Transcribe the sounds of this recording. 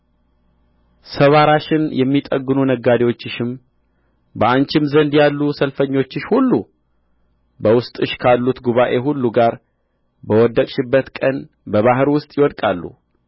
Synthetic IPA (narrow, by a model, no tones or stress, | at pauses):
səβaɾaʃɪnjɛmːit̪ʼəɡːɨnunəɡːad̪ewo̞t͡ʃːɪʃɪm | bəant͡ʃɪmzənd̪jalːusəlfəɲːo̞t͡ʃːɪʃhulːu | bəwʊst̪ʼɨʃkʰalːut̪ɡuβaʔe̞ɦulːuɡaɾ | bəwɔd̪ːəkʼʃɪbːət̪kʼən | bəβaɦɨɾwʊst̪ʼjɪwɔd̪kʼalːṵ